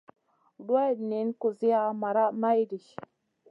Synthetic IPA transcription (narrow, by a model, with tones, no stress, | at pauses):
da˦˨dni˨˦n˦ku˨zi˦a˦ma˨ɾa˦ma˦i˦di˨ʃ